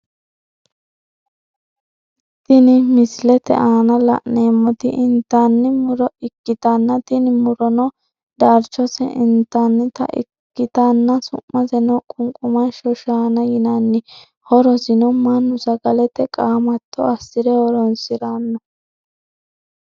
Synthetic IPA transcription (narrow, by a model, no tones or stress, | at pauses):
t̪ːɪnɪmɪslɛt̪ɛ̰ʔaːnɐlɐ̰ʔneːmːɔt̪ɪʔɪnt̪ːanːɪmʊɾɔɪkːɪt̪ɐnːɐt̪ɪnɪmʊɾɔnɔ | d̪aɾt͡ʃːɔsɛ̰ʔɪnt̪ːɐnːɪt̪ɐ̰ʔɪ̰kːɪt̪ɐnːɐsʊ̰mːɐzɛnɔkʼʊŋkʼʊmɐnʃɔʃaːnɐjɪnɐnːɪ | hɔɾɔsɪnɔmɐnːʊsɐɡɐlɛt̪ɛkʼaːmɐt̪ːɔ̰ɐsːɪɾɛɔɾɔnsɪɾanːɔ